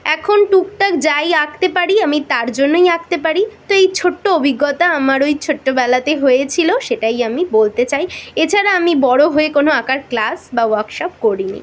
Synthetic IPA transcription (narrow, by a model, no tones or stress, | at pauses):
ɛkʰonʈukʈakd͡ʑajak̚t̪epaɽiamit̪aɾd͡ʑonːojak̚t̪epaɾit̪oejt͡ɕʰoʈːoobʱiɡːɔt̪aamaɾojt͡ɕʰoʈːobɛlat̪eɦojet͡ɕʰiloʃeʈajamibolt̪et͡ɕajet͡ɕʰaɾaamibɔɽoɦoekonoakaɾklasbawaɾkʃɔp̚koɽinḭ